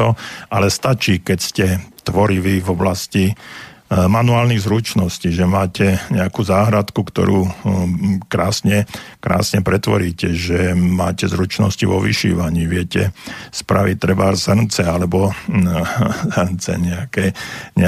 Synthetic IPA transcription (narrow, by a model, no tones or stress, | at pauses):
ɔʔalɛst̪at͡ʃiːkɛcscɛt̪ʋɔɾiʋivɔblasci | manuaːlniɣzɾut͡ʃnɔsciːʒɛmaːcɛɲɛakuːzaːɦɾat̪kukt̪ɔ̰ɾuː | kɾaːsɲɛkɾa̰ːsɲɛpɾɛt̪ʋɔ̰ɾiːcɛʒɛmaːcɛzɾut͡ʃnɔ̰sciʋɔʋḭʃḭːʋaɲiːʋɪɛcɛspɾaʋit̪ːɾɛbasr̩nt͡sɛalɛbɔ | zrnt͡sɛ̰ɲɛakɛɲɛ